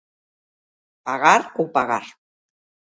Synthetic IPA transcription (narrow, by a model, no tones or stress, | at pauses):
paɣaɾupaɣa̰ɾ